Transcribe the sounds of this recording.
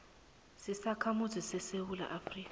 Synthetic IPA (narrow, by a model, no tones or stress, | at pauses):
sisakʰamuzisɛsewula̰ʔafriːka